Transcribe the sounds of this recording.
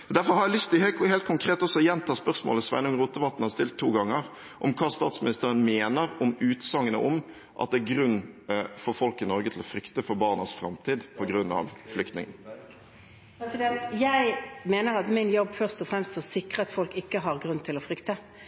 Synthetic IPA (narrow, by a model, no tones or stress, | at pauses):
d̪æɾfɔɾhɑɾjæɪlʏst̪ʰɪlheːltheːlt̪̚kʰʊŋkʰɾeːt̪ɔsːɔɔjɛnt̪ʰɑːspœʁsmo̰ːləsʋɛ̰nəʊŋʁuːt̪əʋɑt̪ːn̩hɑst̪ɪlt̪ʰːuːɡɑŋːəɾ | ʔɔmkʰɑːst̪ɑːt̪smɪnɪst̪əɾənmeːnəɾɔmʉːt̪sɑŋːənə̰ʔɔm | ʔɑ̰t̪̚d̪ɛæɾɡɾʉnːfɔɾfɔlkɪnɔɾɡət̪ʰɪlɔfɾʏkt̪əfɔɾbɑːʁnəsfɾɑ̰mt̪ʰiːd̪pʰɔɡɾʉnːɑ̰ʋflʏkt̪nɪ̰ŋə̰n | jæɪmeːnəɾɑt̪mɪnjɔbːfœʁst̪ɔfɾɛmst̪sɔsɪkʁəɑt̪fɔlkɪkːəɦɑʁɡɾʉnːt̪ʰɪlɔfɾʏkt̪ə